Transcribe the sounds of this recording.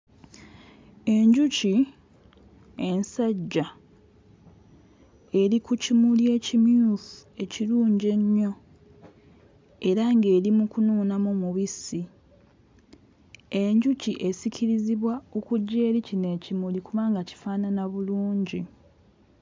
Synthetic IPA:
e̞ɲɟuci | e̞nsaɟːa | e̞ɾikucimulie̞cimjuθue̞ciɾuːɲɟe̞ɲːo̞ | e̞ɾaŋɡe̞ːɾimukunuːnamomuβisi | eɲɟuciʔe̞sicʰiɾiziβwaokuɟːe̞ːɾicine̞ːcimulikuβaːŋɡaci̥faːnanaβuluːɲɟi

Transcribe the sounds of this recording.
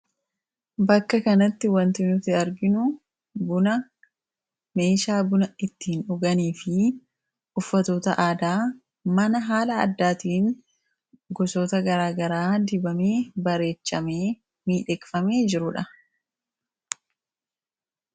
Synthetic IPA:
bɐkːɐkɐnɐt̪ːɪwɐnt̪ɪnʊfɪɐɾɡɪnʊ | bʊnɐ | me̞ːʃaːbʊnɐɪt̪ːiːnʊɡɐniːfɪ | ʊfːɐt̪o̞ːt̪ɐʔaːd̪aː | mɐnɐɦaːlɐːd̪ːaːt̪iːŋ | ɡɔso̞ːt̪ɐɡɐɾaːɡɐɾaːd̪ɪbɐmeːbɐɾe̞ːt͡ʃːɐmeː | miːᶑɛkfɐmeːd͡ʒɪɾʊᶑɐ

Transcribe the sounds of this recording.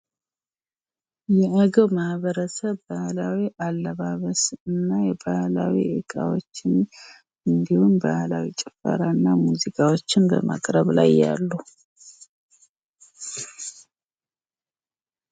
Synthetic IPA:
jɛʔəɡəwmahβəɾəsəβːahlawiʔalːəβaβəsɨnːajɛbahlawḭʔɨkʼawot͡ʃːɪn | ɨnd̪ihunbahlawit͡ʃʼɛfə̰ɾanːamuzikʼawo̞t͡ʃːɪnbə̰ma̰kʼɾəβla̰jːa̰lːu

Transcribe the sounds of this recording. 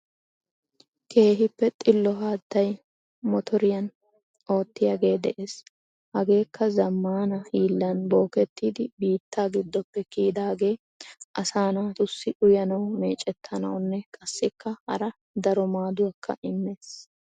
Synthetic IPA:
kʰe̞ːɦɪpːɛt̪ʼɪlːɔɦaːt̪ːɐj | mɔt̪ʰɔɾɪjɐn | o̞ːt̪ːɪjaɡe̞ːd̪ɛʔeːs | hɐɡe̞ːkːɐzɐmːaːnɐhiːlːɐnbo̞ːkɛt̪ːiːd̪ɪbiːt̪ʰːaːɡɪd̪ːɔpːɛkiːd̪aːɡe̞ː | ʔɐsaːnaːt̪ʊsːɪʔʊjɐnɐwmeːt͡ʃʼɛt̪ʰːɐnɐ̰wnːɛkʼɐsːɪkʰːɐhɐ̰ɾɐ | d̪ɐɾɔmaːd̪ʊwɐkʰːɐ̰ʔɪmːeːs

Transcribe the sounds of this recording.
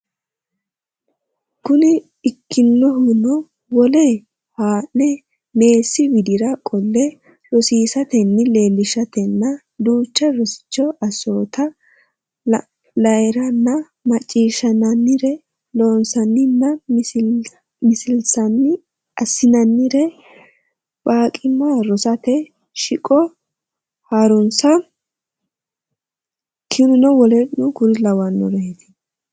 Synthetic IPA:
kʊnɪː | kːɪnːɔɦʊnɔ | wɔleː | haːnːɛ | me̞ːsːɪbɪd̪ɪɾɐkʼɔlːɛ | rɔsiːsɐt̪ɛnːɪle̞ːlːɪʃɐt̪ɛnːɐ | d̪uːt͡ʃːɐɾɔsɪ̥t͡ʃːɔʔɐso̞ːt̪ɐ | lɐɛɾɐnːɐ | mɐt͡ʃʼːiːʃɐnɐnːɪɾɛ | lo̞ːnsɐnːɪnːɐ | mɪsɪlsɐnɪ | ɐsɪnɐnːɪɾɛ | baːkʼɪmːaɾɔsɐt̪ɛ | ʃɪkʼɔ | haɾʊnsɐ | kʰɪɾʊnɔwɔlɛʔnʊɡʊɾlɐwɐnːɔ̰ɾɛɛt̪ɪ̥

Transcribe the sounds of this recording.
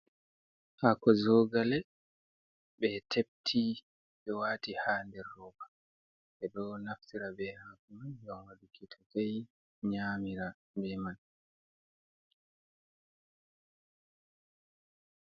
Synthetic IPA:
hakɔzɔɡalɛ | ɓɛtʰep̚tʰi | ɓɛwaːtihaːndɛrːɔːbḁ | ʔɛɗɔɡnaftiɾabɛhaːkumanjɔnwadukʰitʰɔkaj | ɲaːmiɾa | bɛman

